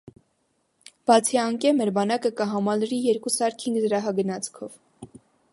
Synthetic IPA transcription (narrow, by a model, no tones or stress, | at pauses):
b̥ɑt͡sʰiɑŋkɛmɛɾbɑnɑkəkəɦɑmɑlɾijɛɾkusɑɾkʰiŋɡzəɾɑɦɑɡənɑt͡sʰkʰɔv